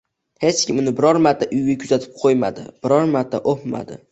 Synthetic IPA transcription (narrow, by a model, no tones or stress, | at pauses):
het͡ʃkʲʰɪmʊnɪbɪɾɒɾmaɾt̪ʰːaʔʊjɡʲakʲʰʊzat̪ʰɪ̥p̚qʰojma̰d̪ɪ̰b̥ɪɾɒɾmaɾt̪ʰːa̰ʔopma̰d̪ɪ̰